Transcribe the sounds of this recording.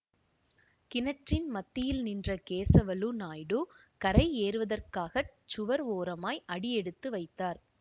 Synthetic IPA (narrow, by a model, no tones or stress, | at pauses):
kɪnɐʈrɪnmɐt̪ːɪjɪlnɪndrɐkeːsɐʋɐlunaːjɽukɐɾɐɪeːɾɯʋɐðɐrkaːɣɐt͡ʃːʊʋɐɾoːɾɐmaːjʔɐɽɪjɛɽɯt̪ːɯʋɐɪt̪ːaːɾ